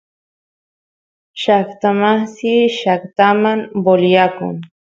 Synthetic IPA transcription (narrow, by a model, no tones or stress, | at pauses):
ʃakt̪amasiʃakt̪amamboljakʊ̰ŋ